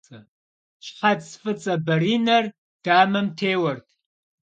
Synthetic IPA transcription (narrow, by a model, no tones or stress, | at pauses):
ɐ | ʃħatsfɨt͡sʼɐbɐɾiːnɐr | d̥aːmɐmtʰeːwɐrtʰ